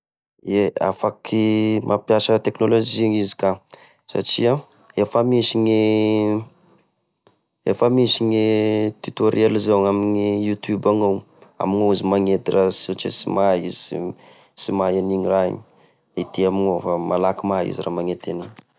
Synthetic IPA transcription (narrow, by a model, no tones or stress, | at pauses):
ea̰fakʰimʔapjasət̪eknolod͡ʒiɲizi̥ka | sa̰ʈ͡ʂia | efəmisiɲi | ḛfəmisiɲit̪ut̪oɾelizawaminijut̪jubaŋaw | a̰miŋoizimaŋet̪irʔasot͡ʃḛsḭmaiz̥i | simaeniɲiraḭɲi | id̪̥iamiŋofamalakimaḭziramaŋet̪eniɲ